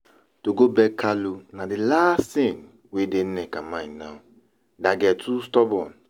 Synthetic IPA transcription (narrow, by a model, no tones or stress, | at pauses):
toɡobɛkʰalonadɪlastĩn | weden̩nɛkamãĩnaʊ | daɡɛtʰustɔbɔn